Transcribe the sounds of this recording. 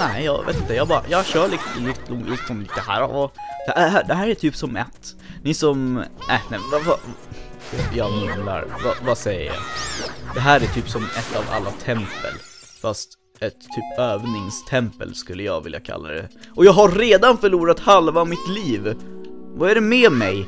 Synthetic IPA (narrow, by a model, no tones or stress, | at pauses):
næɪjɑːvḛːt̪ɪnt̪əjɑɡbɑɾa̰jɑːɕœːɭɪkslɪt̪ʰlɔŋviːksɔmɪd̪ɛhæ̰ːɾvd̥̪ɛɦæːɖ̪ɛɦæːɾæʈʰyːpsɔmɛt̪ːniːsɔmnænɛvava | jɑjɑːmɵmla̰ɾva̰vasɛjə̰ɾjɑ̰d̪ɛɦæːɾæʈʰyːpsɔmɛt̪ːava̰lːat̪ʰɛmpə̰l | fast̪ | ɛt̪ʰːyːpøːvnɪŋst̪ʰɛmpə̰lskɵlːəjɑ̰ːɡvɪlja̰kʰa̰lːa̰d̪ɛ̰ʔɔjɑːɡɦaɾɾeːd̪anfœɭuːɾat̪halvavmɪt̪liːvvaæɾɛmɛːmɛj